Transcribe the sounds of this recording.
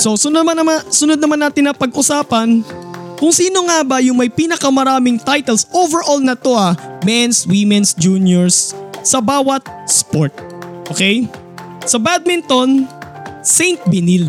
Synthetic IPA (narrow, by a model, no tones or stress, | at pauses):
sosʊnmanɐmasʊnod̪nɐmanːaːt̪ɪnːɐpɐɡʔʊsaːpɐnkʊŋsiːno̞ŋabɐjʊŋmɐjpiːnɐkɐmɐɾaːmɪŋt̪ajt̪ɛlsʔovɛɹʔolnɐt̪oʔɐmɛnswimɛnsd͡ʒuːnjoɹsːɐbaːwɐt̪̚spoɹt̪̚ʔoːkɛj | sɐbad̪̚mɪnt̪on | sɛjnt̪̚bɪnil